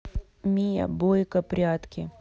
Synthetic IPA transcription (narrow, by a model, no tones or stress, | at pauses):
mʲijɐ̰bojkɐpɾʲat̪kʲɪ